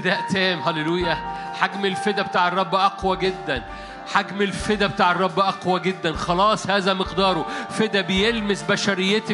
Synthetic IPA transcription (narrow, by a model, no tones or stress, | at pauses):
d̪æʔt̪æːmɦælelujæ | ħaɡmelfed̪æbet̪aːʕerˤːɑbːʔɑqwæɡed̪ːæn | ħaɡmelfed̪æbet̪aːʕerˤːɑbːʔɑqwæɡed̪ːænxɑlɑːsˤhæːzæmɪqd̪ɑːɾˤofed̪æbejelmesbæʃæɾejːet̪